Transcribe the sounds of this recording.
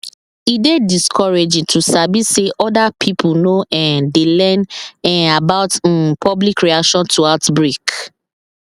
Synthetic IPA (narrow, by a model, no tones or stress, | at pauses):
idediskʰɔɹed͡ʒĩtʰusabiseʔɔdapʰipʰʊnoʔɛ̃ndelɛnɛ̃nabaʊt̩pʰɔblikɹiakʃɔ̃ntʰuaʊtbɹik